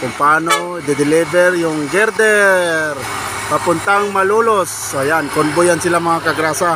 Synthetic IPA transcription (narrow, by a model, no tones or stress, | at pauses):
kʊŋpano | d̪ɪd̪ɪlibɛɾjʊŋɡɛɾd̪ɛɾ | papʊnt̪aŋmalulos | ajankʊnbʊjansɪlamaŋakaɡɾasa